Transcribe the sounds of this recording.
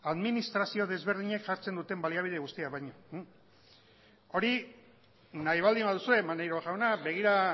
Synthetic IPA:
aðminist̪ɾasio̞ð̞e̞zβ̞e̞ɾð̞iɲekʝaɾt͡se̞nd̪ut̪e̞mbaliaβ̞iðe̞ɣust̪iaβajɲo | o̞ɾi | najβ̞ald̪imbaðusue̞manejɾoʝawnaβe̞ɣ̞iɾa

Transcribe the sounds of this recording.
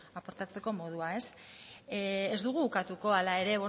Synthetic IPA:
apo̞ɾt̪at͡se̞ko̞mo̞ð̞uae̞s | ezd̪uɣ̞uukat̪uko̞alae̞ɾe̞βo

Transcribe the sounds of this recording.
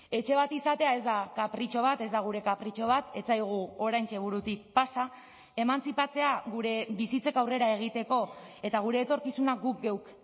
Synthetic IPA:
e̞t͡ʃe̞β̞at̪isat̪e̞ae̞zd̪akapɾit͡ʃo̞β̞at̪e̞zd̪aɣ̞uɾe̞kapɾit͡ʃo̞β̞at̪e̞t͡sajɣ̞uo̞ɾajnt͡ʃe̞β̞uɾut̪ik̚pasa | e̞mant͡sipat͡se̞aɣuɾe̞βisit͡se̞kawre̞ɾae̞ɣ̞it̪e̞ko̞e̞t̪aɣ̞uɾe̞ːt̪o̞ɾkisunakɡuk̚ɡe̞w

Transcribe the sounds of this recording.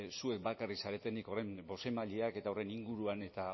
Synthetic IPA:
sue̞k̚bakarisaɾe̞t̪e̞niko̞re̞mbo̞se̞maʎeake̞t̪ao̞re̞niŋɡuɾuane̞t̪a

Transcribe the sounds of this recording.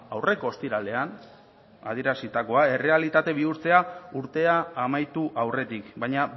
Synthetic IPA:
awre̞ko̞ːst̪iɾale̞an | a̰ð̞ieɾasit̪ako̞ae̞re̞alit̪at̪e̞βiuɾt͡se̞auɾt̪e̞aːmajt̪uʔawre̞t̪ikbajɲa

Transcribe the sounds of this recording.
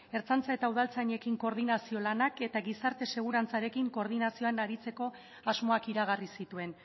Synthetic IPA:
e̞ɾt͡sant͡sae̞t̪auð̞alt͡saɲe̞kiŋko̞ɾðinasio̞lanake̞t̪aɣisaɾt̪e̞se̞ɣ̞uɾant͡saɾe̞kiŋko̞ɾð̞inasio̞anaɾit͡se̞ko̞ | azmo̞akiɾaɣarisit̪ue̞n

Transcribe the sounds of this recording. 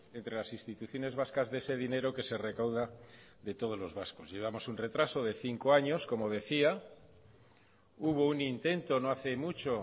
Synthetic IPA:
e̞nt̪ɾe̞lasinst̪it̪uθjo̞ne̞zβ̞askazðe̞se̞ðine̞ɾo̞ke̞se̞re̞kawða | ðe̞t̪o̞ð̞o̞zlo̞zβasko̞zʝe̞β̞amo̞sunre̞t̪ɾaso̞ðeθiŋko̞aɲo̞sko̞mo̞ðe̞θia | uβ̞o̞unint̪e̞nt̪o̞noaθe̞mut͡ʃo̞

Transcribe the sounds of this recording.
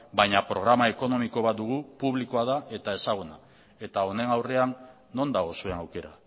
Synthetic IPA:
bajɲapɾo̞ɣɾamae̞ko̞no̞mikoβat̪d̪uɣupuβlikoaðae̞t̪ae̞saɣ̞una | e̞t̪ao̞ne̞ŋawre̞anː | o̞nd̪aɣ̞o̞sue̞nawke̞ɾa̰

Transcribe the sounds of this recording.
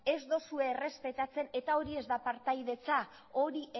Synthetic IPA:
e̞zd̪osue̞ːre̞spe̞t̪at͡se̞ne̞t̪ao̞ɾie̞zd̪apaɾt̪ajðe̞t͡sa | o̞ɾiʔ

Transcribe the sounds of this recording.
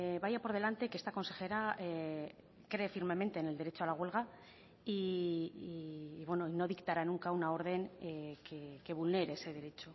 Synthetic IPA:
βajapo̞ɾð̞e̞lant̪ekeest̪ako̞nse̞xe̞ɾae | kɾe̞ːfiɾme̞mẽ̞nt̪e̞ːne̞ld̪e̞ɾe̞t͡ʃo̞alaɣ̞welɣ̞a | i | βwe̞noino̞ðikt̪aɾanuŋkaunao̞ɾðe̞ŋkeke̞βulne̞ɾeese̞ð̞e̞ɾe̞t͡ʃo

